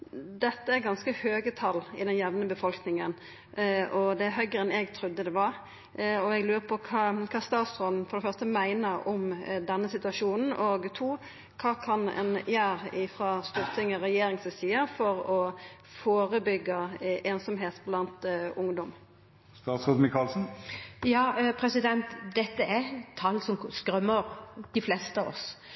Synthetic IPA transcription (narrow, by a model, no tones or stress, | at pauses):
d̪ɛt̪ːəæɾɡɑnskəhøːɡət̪ʰɑlːɪ̰d̪ɛnjɛʋnəbəfɔlknɪŋən | ʔɔd̪ɛɦœʏɡəɛnɛɡt̪ʰɾʉd̪ːəd̪ɛʋɑɾ | ɔɛɡlʉːʁəpʰɔkʰɑːkʰɑːst̪ɑːt̪sʁɔd̪n̩fɔɾd̪ɛfœʁst̪əmæɪnəɔmd̪ɛnːəsɪt̪ʉɑʃuːnn̩ʔoɡt̪ʰuː | kʰɑːkʰɑnɛ̰njæːɾɪfɾɑːst̪uːʁt̪ʰɪŋəʁɛjeːɾɪŋsʋəsiːəfɔɾɔ | foːɾəbʏɡːəʔeːnsɔmɦeːt̪blɑnt̪ʊŋd̪ɔm | st̪ɑːt̪sʁoːd̪n̩mɪkʰɑːlsn̩jɑːpʰɾɛsɪd̪ɛnt̪d̪ɛt̪ːəɛt̪ʰɑlːsɔmskɾœmːəɾd̪̥ɪflɛst̪əɑʋɔ̰s